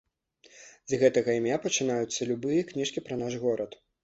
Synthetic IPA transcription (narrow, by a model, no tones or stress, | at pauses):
zʲɣɛt̪ɐɣɐimʲjapɐt͡ʂɨn̪ajut̪sːɐlʲubɨjɐknʲiʂkʲipɾɐnaʐɣɔɾɐt̪